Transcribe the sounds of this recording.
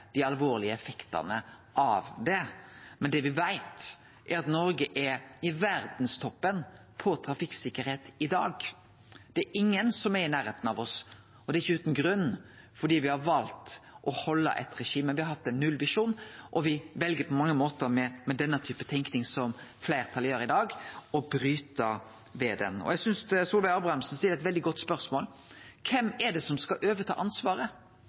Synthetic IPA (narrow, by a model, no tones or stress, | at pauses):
d̪̥ɪɑlʋoːɾlɪəɛfɛkt̪ɑ̰nə | ʔɑʋd̪ɛmɛnd̪ɛʋɪʋæɪt̪ | ʔɛɾɑt̪nɔɾɡəʔɛɾɪʋæɾd̪nst̪ʰɔpːən | pʰɔt̪ʰɾɑfɪksɪkːəɾheːt̪ɪd̪ɑ̰ːɡ | d̪̥ɛɛɾʔɪŋːənsɔmɛɾɪnæːɾheːt̪ənɑʋɔs | ɔd̪ɛɾɪçːəʉːt̪ənɡɾʉnː | fɔɖiːʋɪhɑɾʋɑlt̪ʔɔhɔlːə̰ʔɛ̰t̪ɾɛʂiːmɛnʋɪhɑɾhɑt̪ːɛnnːʉlʋɪʂuːnʔɔʋɪʋɛlɡəɾpʰɔmɑŋːəmoːt̪əɾmɛmɛd̪ɛnːət̪ʰyːpət̪ʰɛŋknɪŋsɔmflæɪɾt̪ʰɑljøːɾɪd̪ɑːɡɔbɾyːt̪ə | ʋeːd̪ɛ̰nɔ̰jæɡsʏnssuːlʋæɑːbɾɑɑmsn̩siːəɾɛt̪ʋɛld̪ɪɡɔt̪ːspœɾsmoːl | kʰɛmɛɖɛsɔmskɑʔøːʋət̪ʰɑ̰ːʔɑnsʋɑːɾə